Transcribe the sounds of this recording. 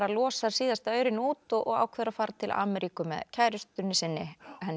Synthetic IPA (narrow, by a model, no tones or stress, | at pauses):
ɾalɔːsaɾ̥siːðast̪œːɥɾɪnuːt̪ɔɣʔɔ̰ɣa̰ːwkʰvɛðɾafaːɾat̪ʰɪlʔa̰ːmɛɾiːkʏmɛ̰ðcʰajɾʏst̪ʏnːɪsɪnːɪhɛnː